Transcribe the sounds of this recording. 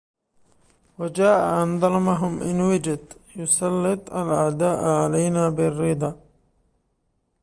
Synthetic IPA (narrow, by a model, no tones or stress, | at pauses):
wad͡ʒaːʔaʔand̪ˤɑlmaɦʊmʔɪnwɪd͡ʒat̪jʊsˤɑlːɪt̪ˤalʔaʕd̪aːʔʕalajnaːbɪrːiːd̪ˤɑː